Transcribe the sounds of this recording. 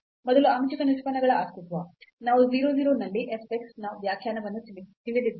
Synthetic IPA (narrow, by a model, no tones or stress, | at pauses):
mɔd̪ɐluɐmt͡ʃikɐnuʃpɐnɐɡɐɭɐaːst̪it̪ʋɐnaːʋuziːɾoːziːɾoːnɐlːiʔepːeksnɐʋjaːkʰjaːnɐʋɐnːud̪iʋid̪id̪